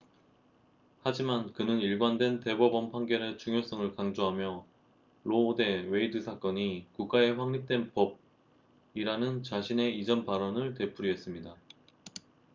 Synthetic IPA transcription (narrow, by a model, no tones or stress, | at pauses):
had͡ʑimankɯnɯniɭɡwandwente̞bʌbʌnpʰaŋɡe̞ɾet͡ɕuŋjos͈ʌŋɯɭkaŋd͡ʑoɦamjʌ | ɾoːde̞we̞idɯsʰak͈ʌɲikuk̚k͈ae̞ɸwaŋɲik̚t͈we̞npʌb̚ | iɾanɯnt͡ɕaɕʰine̞id͡ʑʌnpaɾʌnɯɭte̞pʰuɾiɦe̞s͈ɯmɲida